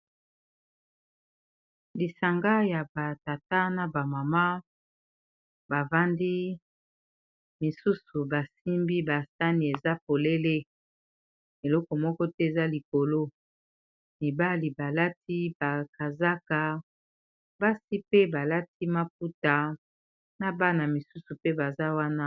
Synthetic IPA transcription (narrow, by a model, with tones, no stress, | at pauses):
li˨sa˨ŋɡa˦ja˨ba˨ta˨ta˦na˨ba˨ma˨ma˦ | ba˨va˦ndi˦ | mi˨su˦su˨ba˨si˦mbi˦ba˨sa˦ni˨e˨za˦po˨le˦le˦ | e˨lɔ˦kɔ˨mɔ˦kɔ˦tɛ˦e˨za˦li˨ko˨lo˦ | mi˨ba˦li˨ba˨la˦ti˦ba˨ka˨za˦ka˨ | ba˦si˦pe˦ba˨la˦ti˦ma˦p̚u˦ta˨ | na˦ba˦na˨mi˨su˦su˨pe˦ba˨za˦wa˦na˦